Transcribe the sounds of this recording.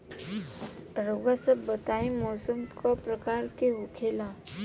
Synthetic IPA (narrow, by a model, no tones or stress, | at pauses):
ɾoɡasəbːət̪aːĩmɔːsəmkɔpɾəkaːɾkeɦokʰela